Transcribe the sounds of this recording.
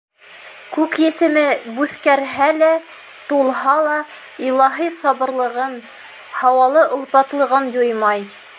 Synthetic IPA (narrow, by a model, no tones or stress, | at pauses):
kʉkjɘ̆sɘ̆mɘbʉθkæɾɦælæ | t̪ulˠɦɑlˠɑ | ilˠɑɦisɑβɤ̆ɾlˠɤ̆ʁɤn | hɑwɑlˠɤʔŏlˠpɑt̪lˠɤ̆ʁɤnjojmɑj